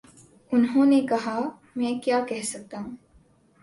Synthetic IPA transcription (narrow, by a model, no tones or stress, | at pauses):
unɦuːniːkɐɦaː | miekijaːkeɦesɐt̪ːɐŋ